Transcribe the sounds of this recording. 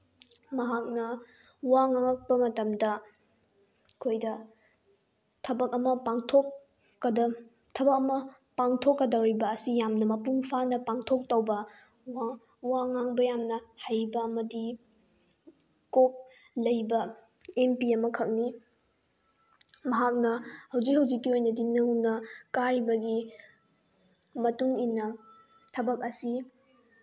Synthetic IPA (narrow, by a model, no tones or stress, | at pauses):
mɐɦak̚nɐ | waŋaŋɐk̚pɐmɐtɐmdɐ | kʰojdɐ | tʰɐbɐk̚ɐmɐpaŋtʰokː | ɐdɐ | tʰɐbɐk̚ɐmɐ | paŋtʰokːɐdɐɾibɐːsijamnɐmɐpuŋpʰanɐpaŋtʰok̚towbɐ | wa | waŋaŋbɐjamnɐhajbɐɐmɐdi | kop̚ | lɐjbɐ | empiɐmɐkʰɐk̚ni | mɐɦak̚nɐhɐwd͡ʒik̚hɐwd͡ʒikːiojnɐdinɯwnɐkaɾibɐɡi | mɐtuŋinɐ | tʰɐbɐk̚ɐsi